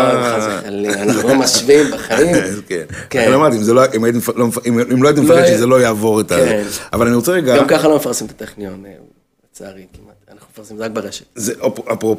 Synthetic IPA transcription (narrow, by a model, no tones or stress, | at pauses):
aallianoimaʃvimbeχaimkḛnklamadt̪iimzeloʔimajit̪̬imflomfiimloajit̪imefaʁeʃizelo̞jaːvo̞ʁet̪aavalaniʁot͡seʁeɡaɡamkaχalomefaʁsimt̪at̪eχnion | et͡sːʁikimat̪anaχnumefaʁsimzeak̚beʁeʃe̥ttzeʔpapʁop